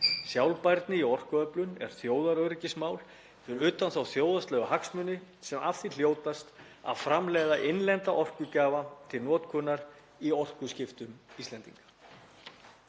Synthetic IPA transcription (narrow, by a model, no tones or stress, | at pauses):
sjawlpajɾt̪nɪiɔr̥kʏœplʏnɛ̰ɾ̥θjoːwðaɾœɥɾɪcɪsmaːwl | ɪɾʏːt̪anθawθjoːwðast̪lœːɣaɦaksmʏnːɪsɛmafθil̥joːwt̪ast̪ | a̰ðfɾamlɛɣðaʔɪnlɛnt̪aʔɔr̥kʏcaːvat̪ʰɪlnɔːt̪kʰʏːnːaɾ̥ | iɔr̥kʏscɪft̪ʏmist̪ɛnt̪ḭŋkḁ